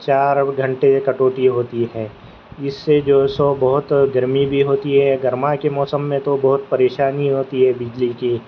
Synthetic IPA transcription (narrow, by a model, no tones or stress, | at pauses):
t͡ʃaːɾɡʱɐ̃ɳʈekɐʈoːʈiɦoːt̪iɦɛ̃ː | ɪsːed͡ʒoːsobɐɦʊt̪ɡɐɾmibʱiɦoːt̪iɦɛɡɐɾmakemɔːsəmːẽt̪obɐɦʊt̪̚pɐɾeːʃaːniɦoːt̪iɦɛbɪd͡ʒlikiː